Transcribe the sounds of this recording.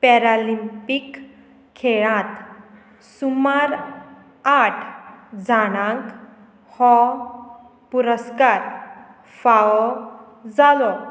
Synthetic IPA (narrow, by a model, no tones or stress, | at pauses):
pɛɾalimpikʰː | eɭãt̪ | sumaɾ | aʈʰd͡zaɽ̃ãŋk | hɔ | puɾəskaɾ | faʋɔ | d͡zalɔ